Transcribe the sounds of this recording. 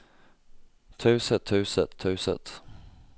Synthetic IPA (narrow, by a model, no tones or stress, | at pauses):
t̪ʰʉ̟ːsət̪ʰːʉ̟ːsət̪ʰːʉ̟ːsə̰t̪